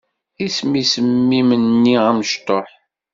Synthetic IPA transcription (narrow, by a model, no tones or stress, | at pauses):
ismisəmːimənːiæməʃt̪oħ